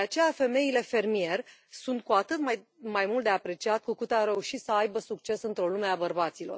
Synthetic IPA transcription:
d̪eat͡ʃe̞jafe̞me̞ile̞fe̞rmije̞rʲsunt̪̚kuat̪ɨt̪majmajmult̪d̪e̞apɾe̞t͡ʃiat̪̚kukut̪aɾe̞uʃit̪səajbəsukt͡ʃe̞sɨnt̪ɾo̞lume̞abərbat̪silo̞̰r

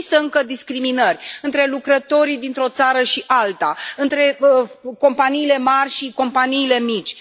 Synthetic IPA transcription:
ist̪əɨŋkəd̪iskɾiminərʲɨnt̪ɾe̞lukɾət̪o̞ɾid̪int̪ɾo̞t̪saɾəʃiʔalt̪aɨnt̪ɾe̞ko̞mpaniːle̞marʲʃiko̞mpaniːle̞mit͡ʃʲ

